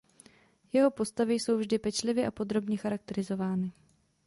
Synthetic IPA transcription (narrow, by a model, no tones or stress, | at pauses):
jɛɦo̞po̞st̪avɪjso̞wvʒdɪpɛt͡ʃlɪvjɪʔapo̞d̪ɾo̞bɲɛxaɾak̚t̪ɛɾɪzo̞vaːnɪ